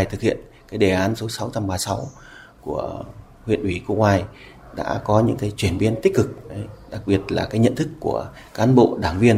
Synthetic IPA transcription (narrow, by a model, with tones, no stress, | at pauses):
jt̪ʰɨ˨˩k̚hḭ˧˨ən | kaː˨˦jɗe˧˩ʔaː˨˦nso˨˦sa˨˦wt͡ɕa˧mɓaː˨˩sa˨˦w | ku˧˩ə | hwḭ˧˨ənʔwi˧˩kṵ˧˥ŋwaː˧˩j | ɗa̰ː˧˥kɔ˨˦ɲɨ̰˧˥ŋkaː˨˦jt͡ɕwi˧˩ənɓi˧ənt̪ï˦˥k̟̚kːɨ˨˩k̚ɗə˨˦jɗa˨˩k̚ɓi˨˩ət̚laː˨˩kaː˨˦jɲə̰˧˨nt̪ʰɨ˦˥kːu˧˩ə | kaː˨˦nɓo̰˧˨ɗaː˧˩ŋvi˧ən